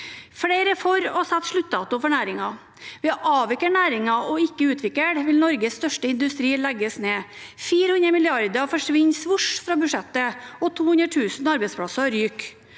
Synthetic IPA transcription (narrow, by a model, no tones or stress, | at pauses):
fɽeɪɾəfɔɾɔsɛt̪ːʂɭʉt̪̚ːd̪ɑːt̪ʊfɔɳæːɾɪŋɑ | ʋɛʔɑːʋɪkəɳæːɾɪŋɑɔɪkːəʉːt̪ʰʋɪkəɽʋɪlnɔɾɡəsst̪œʂʈəɪnd̪ʉst̪ɾiːlɛɡəsneːfiːɾəhʉnɾəmɪlɪɑɾd̪əfɔʂʋɪɲsʋʊʂfɾɑːbʉʂɛt̪ːəɔt̪ʰuːhʉnɾəʈʰʉːsnɑɾbɛɪspʰɽɑsəɾyːk